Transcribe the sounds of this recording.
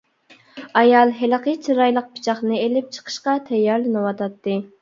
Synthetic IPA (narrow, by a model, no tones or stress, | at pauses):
ɑjɑlˠɦɪlqət͡ʃʰiɾɑjlˠəq̚pʰi̥t͡ʃʰɑχnɨelɪp̚t͡ʃʰə̥qʰə̥ʃqɑt̪ʰɛjːɑɾlˠɨnɨwɑt̪ɑt̪ːɨ